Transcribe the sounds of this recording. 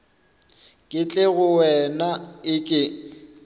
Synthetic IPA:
kʼɪt͡ɬʼɪɣʊwɛnaɪkʼɪ

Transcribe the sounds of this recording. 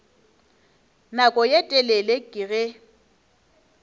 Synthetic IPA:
nakʼɔjetʼɛlelekʼɪɣɪ

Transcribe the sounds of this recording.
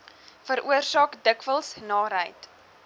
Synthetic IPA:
fəɾʔuərsɑːkdəkvəlˠsnɑːɾɦəjt

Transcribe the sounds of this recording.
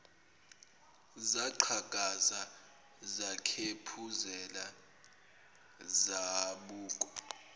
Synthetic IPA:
zaǃʰaɡ̥ʱʼaza | zakʰepʰuzɛla | zaɓuːk̬ʼɔ̥

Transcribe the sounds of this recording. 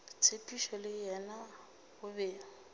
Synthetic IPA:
t͡sʰepʼiʃɔlɪjɛna | hʊbeːŋ̩

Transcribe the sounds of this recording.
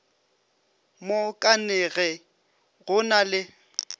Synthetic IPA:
mokʼanɛɣɛ | ɣʊnalɪ

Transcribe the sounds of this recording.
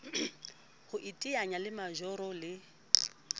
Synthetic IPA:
hʊʔitʼiaɲalɪmaʒɔɾɔlɪ

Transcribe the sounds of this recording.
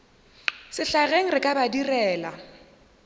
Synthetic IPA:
sɪɬaɣeŋ̩rɪkʼabadirɛːla

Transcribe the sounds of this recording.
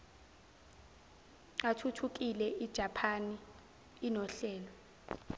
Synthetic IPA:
atʰutʰuk̬ʼilɛʔid̥ʒ̥ʱapʰaniː | nɔɬɛːlɔ

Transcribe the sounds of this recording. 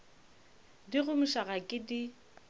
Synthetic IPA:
diɣʊmʊʃaɣakʼɪdi

